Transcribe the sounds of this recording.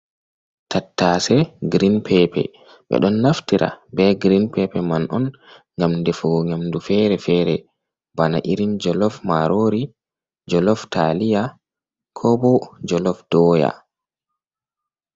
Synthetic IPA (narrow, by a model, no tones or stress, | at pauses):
tʰatːasɛɡɾinpʰɛpɛ̰ | ɓɛ̰ɗɔnːaftiɾʔa̰bɛɡɾinpɛpɛmanʔɔn | ŋɡamdefuɡɔɲamdufɛɾɛfɛːɾɛ | bana̰ʔiɾind͡ʒɔlɔfmaɾoɾi | d͡ʒɔlɔftalija | kʰɔbɔd͡ʒɔlɔfdɔːja̰